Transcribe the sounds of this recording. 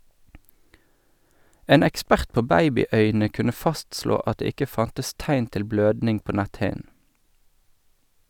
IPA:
ˈeːn ɛkˈspæʁt ˈpoː ˈbæɪbɪˌœʏnə ˈkʉnə ˈfɑstsloː ˈɑt ˈdeː ˈɪkə ˈfɑntəs ˈtæɪn ˈtɪl ˈbløːdnɪŋ ˈpoː ˈnɛtˌhɪn̩

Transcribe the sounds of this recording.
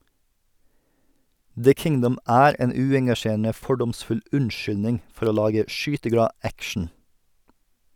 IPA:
ðə ˈkɪŋdʌm ˈʔæːɾ ˈeːn ˈʉːɛŋɡɑˌʃeːɾənə ˈfɔɖɔmˌsfʉl ˈʉɳˌʃʏlnɪŋ ˈfɔɾ ˈoː ˈlɑːɡə ˈʃyːtəˌɡɽɑː ˈækʃɳ̩

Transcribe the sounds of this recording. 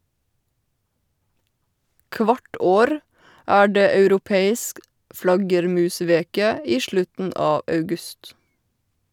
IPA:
ˈkʋɑʈ ˈoːɾ ˈæː ˈɖeː ɑʉɾʊˈpeːɪsk ˈflɑɡəɾˌmʉːˌsʋeːkə ˈiː ˈʃlʉtn̩ ˈɑː ɑʉˈɡʉst

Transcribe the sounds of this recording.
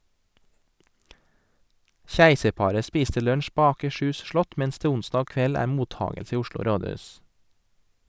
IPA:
ˈçæɪsəɾˌpɑːɾə ˈspiːstə ˈlœɳʃ ˈpoː ɑːkəˈʃʉːs ˈʃlɔt ˈmɛns ˈdeː ˈʊnsdɑː ˈkʋɛl ˈæːɾ ˈmuːˌtɑːɡəls ˈiː ˈʊʃɭʊ ˈɾoːˌdʉːs

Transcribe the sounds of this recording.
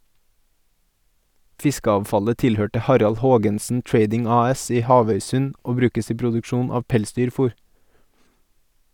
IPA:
ˈfɪskəɑːʋˌfɑlə ˈtɪlˌhøːʈə ˈhɑɾɑl ˈhoːɡənsn̩ ˈtɹeɪdɪŋ ˈɑːˌɛs ˈiː ˈhɑːʋœʏˌsʉn ˈoː ˈbɾʉːkəs ˈiː pɾʊdʉkˈʃuːn ˈɑːʋ ˈpɛlˌsdyːɾˌfuːɾ

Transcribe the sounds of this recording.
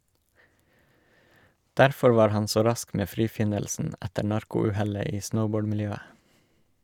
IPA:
ˈdæɾfɔ ˈʋɑːɾ ˈhɑn ˈsoː ˈɾɑsk ˈmeː ˈfɾiːˌfɪnəlsn̩ ˈætəɾ ˈnɑɾkʊ ˈʉːhɛlə ˈiː ˈsnəʊˌboːɖ mɪlˈjøːə

